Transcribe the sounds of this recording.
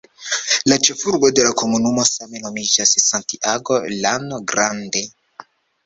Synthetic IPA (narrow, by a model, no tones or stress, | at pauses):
lat͡ʃe̞fuɾɡo̞de̞lako̞munumo̞same̞no̞mid͡ʒassantiʔaɡo̞lanoɡɾande̞